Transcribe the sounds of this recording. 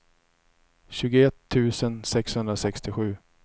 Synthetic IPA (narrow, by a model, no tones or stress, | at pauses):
ɕʉ̟ːɡʊɛt̪ʰːʉ̟ːsənsɛkshɵnd̪ɾasɛkst̪ɪɧʉ̟ː